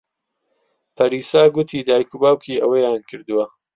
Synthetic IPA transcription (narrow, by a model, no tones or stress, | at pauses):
pʰɐɾiːsaːɡʊt̪ʰiːd̪aːjkubaːwkʰiːʔɐwɐjaːnkʰɨɾd̪uwɐ